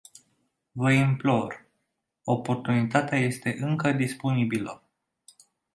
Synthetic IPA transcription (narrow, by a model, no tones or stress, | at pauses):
vəimplo̞r | o̞po̞rt̪unit̪at̪eaje̞st̪e̞ʔɨŋkəd̪ispo̞nibilə